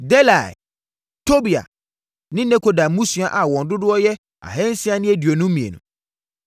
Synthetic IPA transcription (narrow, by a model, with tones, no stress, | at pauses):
dɛ˦la˨j̰ | tʰo˦bi˨a̰˨ | nɪ̃˦nɛ̃˦kʰo˨da˨mũ˦su˨a˨ʔa˨wɔ̃˨ndʊ˦dʊ˦ɔ˦jɛ˦ | a̰˨ɦɛ̃˦n̩˦si˦a˦nɪ̃˦e˦di˨o˨nʊ̃˦mĩ˨ḛ˨nʊ̰̃˨